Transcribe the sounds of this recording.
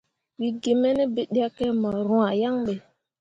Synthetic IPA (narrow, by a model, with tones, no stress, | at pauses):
wi˦ɡe˨me˦ne˦be˦ɗi˦a˦ke˦mɔ˨ɾũ˦a˨ja˦ŋɓe˨